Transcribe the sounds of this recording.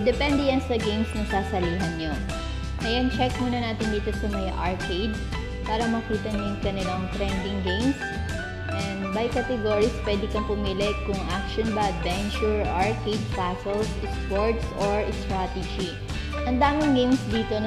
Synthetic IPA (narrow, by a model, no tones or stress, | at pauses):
d̪ɛpɛnd̪ɛjɐnsɐɡejmsnɐsaːsɐliːɦɐnɲon | ʔɐjant͡ʃɛk̚moːnɐnaːt̪ɪnd̪iːt̪o̞sɐmɐjʔɐɹkejd̪̚ | paːɾɐmɐkiːt̪ɐɲʊŋkɐnɪlaŋt̪ɾɛnd̪ɪŋɡejms | ʔɛnd̪bɐjkat̪ɛɡoɹispwɛd̪ɪkɐmpʊmiːlɛkʊŋʔakʃonbɐɐd̪̚vɛnt͡ʃʊɹaɹkejd̪̚pasɛlsʔɛspoɹt̪soɹst̪ɹat̪ɛd͡ʒi | ʔɐŋd̪aːmɪŋɡejmsd̪iːt̪o̞n